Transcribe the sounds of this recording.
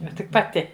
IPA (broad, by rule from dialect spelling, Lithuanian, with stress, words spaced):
ˈnʊ tʲɪk pɐˈtʲɪ